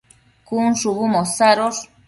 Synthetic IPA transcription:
kunʃuβumosaɾoʂ

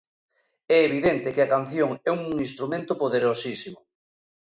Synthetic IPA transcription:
ɛeβiðent̪ɪkɪakan̟θjoŋɛuĩst̪ɾumẽnt̪ʊpoðeɾosisimʊ

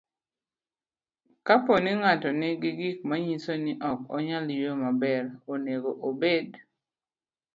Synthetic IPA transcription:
kaponiŋatɔnɪɡɪɡik̚maɲisonɪʔɔkɔ̰ɲalijomabɛroneɡoʔobed

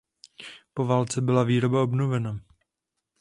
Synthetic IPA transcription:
po̞vaːlt͡sɛbɪlaviːɾo̞bao̞bnovɛna

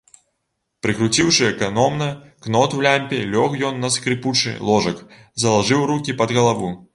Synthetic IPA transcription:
pɾɨkɾut͡sʲiwʂɨɛkanɔmnɐknɔt̪wlʲamʲpʲɛlʲɔxjɔnːɐskɾɨput͡ʂɨ̰lˠɔʐɐk | zɐlˠaʐɨwɾukʲipɐd̪ɣɐlˠavu

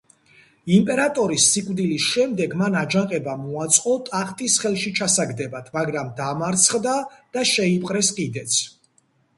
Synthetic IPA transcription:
impʼɛɾat̪ʼɔɾisːikʼvd̪ilisʃɛmd̪ɛɡmanad͡ʒaŋqʼɛbamuat̪sʼqʼɔt̪ʼaχt̪ʼisχɛlˠʃit͡ʃʰasaɡd̪ɛbat̪ʰmaɡɾamd̪amaɾt̪sʰχd̪ad̪̥aʃɛipʼqʼɾɛskʼid̪ɛt̪sʰ

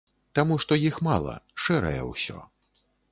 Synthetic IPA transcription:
t̪amuʂt̪ɔjixmalˠɐ̰ʂɛɾɐjɛ̰wsʲɔ̰

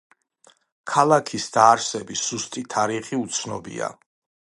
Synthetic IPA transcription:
kʰalˠakʰisd̪̥aːɾsɛbisust̪ʼit̪ʰaɾiχiut̪sʰnɔbḭa̰

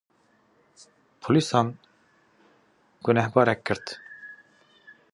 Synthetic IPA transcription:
pʰolisɑːn | ɡ̥ʊnɛhbɑːɾɛkːɨɾt̪

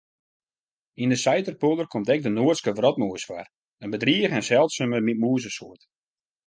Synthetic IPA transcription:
indəsajtərpodərkʰomtɛk̚dənoətskəʋrɔt̚muəsfa̰r | ənbədriəɣɛnsɛlˠtsəməmit̚muəs̬əsoərt

